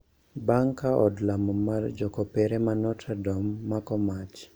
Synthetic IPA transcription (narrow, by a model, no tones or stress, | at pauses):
baŋkaʔɔdlamɔmard͡ʒɔkɔpeɾemanɔtʰɛdɔmːakɔmat͡ʃ